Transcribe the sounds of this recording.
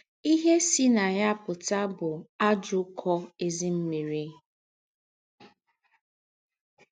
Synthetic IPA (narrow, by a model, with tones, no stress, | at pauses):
i˦ɦe˦si˦na˨ɲa˦pʊ˨ta˦bʊ˨a˦d͡ʒʊ˦kʰɔ˦e˦zi˦m̩˦mi˨ɾi˦